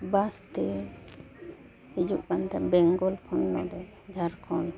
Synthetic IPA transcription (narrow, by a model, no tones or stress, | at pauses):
bast̪ɛ | hid͡ʒuʔkant̪ɛbɛŋɡɔlkʰɔnːɔ̰dɛ | d͡ʒʱaɾkʰɔn